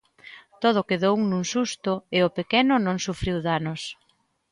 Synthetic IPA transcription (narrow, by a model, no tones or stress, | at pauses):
t̪oð̞ʊkeðownũŋsust̪ʊɪʊpekɛnʊnõŋsufɾiwðanʊs